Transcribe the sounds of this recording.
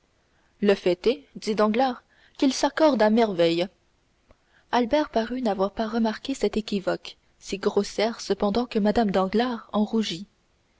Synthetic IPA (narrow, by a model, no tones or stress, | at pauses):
ləfɛt̪ɛd̪id̪ɑ̃ɡlaːʁ | kʲilsakɔʁd̪amɛʁvɛj | albɛʁpaʁynavwaʁpaʁəmaʁkʲesɛt̪ekʲivɔk | siɡʁosjɛːʁsəpɑ̃d̪ɑ̃kəmad̪amd̪ɑ̃ɡlaʁɑ̃ʁuʒi